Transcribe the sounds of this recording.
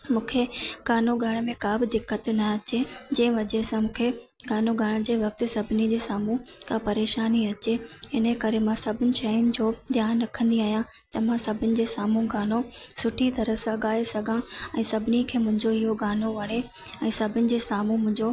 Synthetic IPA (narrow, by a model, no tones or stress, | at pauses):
mũːkʰeɡaːnoɡʱɐɽ̃mẽkaːbɪd̪ɪkːət̪nɐɐt͡ɕed͡ʑɐ̃ːɪ̃ʋɐd͡ʑesãmũːkʰe | ɡaːnoɡʱaɽ̃d͡ʑeːʋɐk̚t̪ɪ̆sɐbʱɪnid͡ʑeːsaːmũkʰãpɐɾeːʃaːniɐt͡ɕeɪnəkɐɾemãsɐbʱɪnɪ̆ʃɐiʊnɪ̆d͡ʑoːd̪jaːnɾɐkʰə̃nd̪iaːɦjã | t̪ɐʋ̤ãsɐbʱɪnɪ̆d͡ʑeːsaːmũɡʱaːnosʊʈʰit̪ɐɾəsãɠaːesɐɡʱãɛ̃ːsɐbʱɪnikʰeːmʊ̃ɦɪ̃ɲd͡ʑoɪɦoɡaːnoʋɐɽ̃e | ɛ̃ːsɐbʱɪnɪ̆d͡ʑeːsaːmũmʊ̃ɦɪ̃ɲd͡ʑo